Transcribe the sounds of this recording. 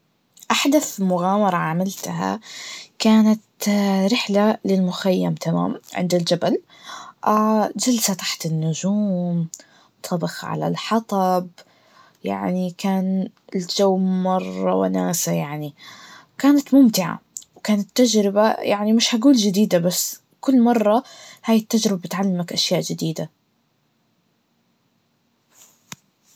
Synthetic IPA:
ʔaħd̪aθmʊɣaːmɑɾˤɑʕamalt̪aɦa̰kaːnat̪ɾɪħlalɪlmʊxajːamt̪ʰama̰ːmʕɪ̰nd̪ɪld͡ʒabal | ʔaːd͡ʒalsat̪aħt̪ɪnːʊd͡ʒuːm | t̪ˤʰɑbɪxʕa̰la̰lħɑt̪ˤɑb | ja̰ʕnikaːnɪld͡ʒawːmɑrˤːɑ̰wɪ̰naːsajaʕnikaːnat̪mʊmt̪ɪʕa̰wkaːnat̪ːad͡ʒɾɪbaja̰ʕnimɪʃhaɡuːld͡ʒɪd̪iːd̪abasː | kʊlːmɑrˤːɑhaːjɪt̪ːad͡ʒɾɪbabɪt̪ʕalːamakʔaʃjaːʔd͡ʒɪd̪iːd̪a

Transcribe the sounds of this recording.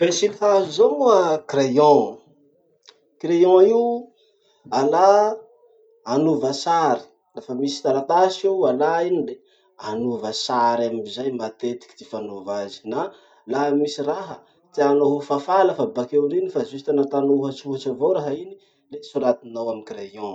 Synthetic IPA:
b̥esilihazizomuəkrejɔ̃ | krejɔ̃iw | ala | anuvəsaɾi̥ | lafəmisi̥t̪alat̪asiwalainire | anuvəsaɾamizajmat̪et̪i̥kʲi̥t̪ifanovazi̥na | laɦmisiɾaɦə | t̪ianoɦufafaləfabakewɾinifazust̪anat̪anouɦat͡suɦat͡ʃavowɾaɦaini | lesuɾat̪inawamikɾejɔ̃

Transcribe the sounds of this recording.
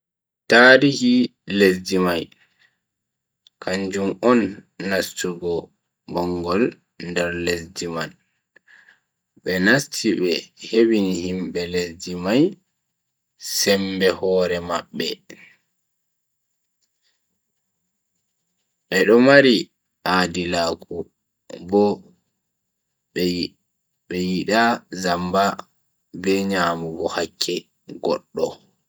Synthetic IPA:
taːɾihilesdimaj | kʰaɲd͡ʒumɔnːastuɡɔ | bɔŋɡɔl | ndɛɾlesd͡ʒiman | ɓɛnastʰiɓɛhewinihimɓɛlesdimaj | sɛmbɛhɔːɾɛmaɓːɛ | ɓɛɗɔmaɾi | ʔaːdilaːku | bɔ | ɓɛjiɗazamba | bɛɲaːmuɡɔhakʰːɛ | ɡɔ̰ɗːɔ

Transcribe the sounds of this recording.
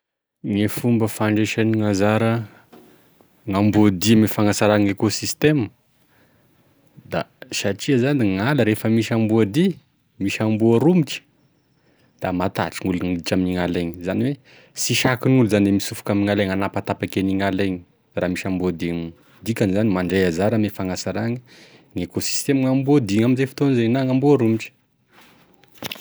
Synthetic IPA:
ŋefumbəfaɳɖ͡ʐeʃaniŋazaɾə | ŋambud̪imifaŋasaɾaŋekosist̪emə | d̪a̰saʈ͡ʂiəzaniŋaləɾefəmiʃambuəd̪i | miʃambuaɾumiʈ͡ʂə̥ | d̪̥amat̪a̰ʈ͡ʂiŋuluniʈ͡ʂaminiŋalaɲizaniwe | siʃakinuluzanemisufu̥kamiŋaleŋanapat̪apakeniŋalaɲi̥ | raːmiʃambuad̪iŋ | d̪ikʲanizanimaɳɖ͡ʐejazaɾamefaŋasaɾaŋiŋekosi̥st̪emŋambuod̪iŋaminzefi̥t̪onizenaŋambuaɾumiʈ͡ʂə̥

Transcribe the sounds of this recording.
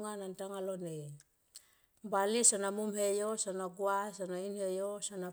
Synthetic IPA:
ŋanantaŋalonej | mbalisanamumhejosanaɡuasanainhejosana

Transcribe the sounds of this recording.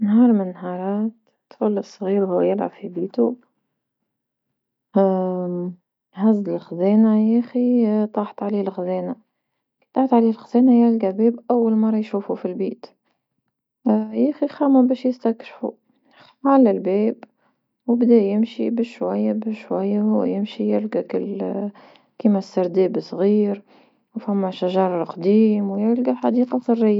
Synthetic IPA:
nɦɑːɾˤmɪnːhɑːɾˤɑːt̪ːfulːɪsˤɣiːɾhuːjɪlʕa̰fibiːt̪u | hazɪlxazeːnajæːxit̪ˤɑːħt̪ʕaleːlxzeːna | t̪ˤɑːħt̪ʕaleːlxazeːnajælɡabeːbʔawːalmɑrˤːɑjʃuːfufilbeːt̪ | jæːxixæːmæbɛːʃjɪst̪ækʃfṵ | ʕalælbɛːb | wbd̪ɛjɪmʃibɪʃʃːwæjːabɪʃwæjːahʊw̰jɪmʃijɪlɡækʊlː | kiːmæsːɑɾˤd̪ɛːbsˤɣiːɾ | wfæmːæʃaʒɑɾˤqd̪iːmwjælɡaħad̪iːqɑsˤɨrːɪjːa

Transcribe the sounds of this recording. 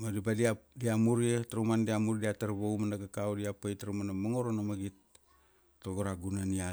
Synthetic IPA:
madibadiadiamuɾietaɾomandiamuɾidiataɾβowmanakakawdiapejtaɾomanamaŋoɾonamaɡit | toɡoɾaɡunania

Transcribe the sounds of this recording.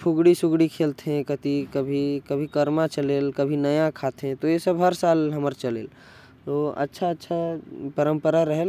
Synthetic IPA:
pʰʊɡɽisʊɡɽikʰeːlt̪eɦɛ̃kət̪ikɐbʱikɐbʱikɐɾmat͡ʃəleːlkəbʱinɐjãkʰaːt̪eɦɛ̃t̪ojesəbɦɐɾsaːlɦɐməɾt͡ʃɐlḛːl | t̪oɐ̰tːʃʰaətːʃʰapəɾə̃mpəɾaɾəɦel

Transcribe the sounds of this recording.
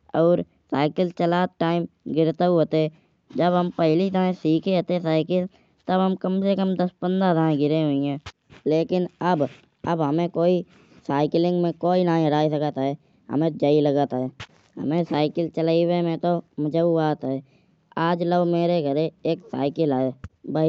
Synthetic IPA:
ɔːɾ | sa̰ːɪkəlt͡ʃəlaːt̪̚ʈaːɪmɡɪɾt̪əwɦot̪e | d͡ʒəbɦəmpɛɦlid̪əɦẽsiːkʰeɦot̪esaːɪkəl | t̪əbɦəmkəmsekəmd̪əspənd̪ad̪ãɡɪɾẽɦʊĩɦɛ̃ː | leːkɪnəb | ə̰bɦəmẽkoːi | saːɪklɪ̃ŋɡmẽkoːinaːĩɦəɾaːisəkət̪ɦɛ | ɦə̰mẽd͡ʒəiləɡət̪ɦɛː | ɦə̰mẽsaːɪkəlt͡ʃəlaːiwemẽt̪oməd͡ʒəuaːt̪ɦɛː | aːd͡ʒləbmeːɾeɡʱəɾeeːksa̰ːɪkəlaeːbəi

